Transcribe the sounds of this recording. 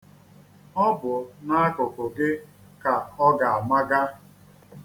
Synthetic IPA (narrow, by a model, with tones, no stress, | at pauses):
ɔ˦bʊ˨na˦a˦kʊ˨kʊ˨ɡɪ˦ | ka˨ɔ˦ɡa˨a˨ma˦ɡa˦